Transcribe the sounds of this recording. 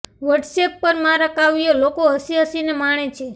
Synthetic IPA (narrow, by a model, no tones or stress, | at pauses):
ʋəʈsepːəɾmãɾəkaʋijolokoɦəsiɦəsinemaɽ̃et͡ʃʰe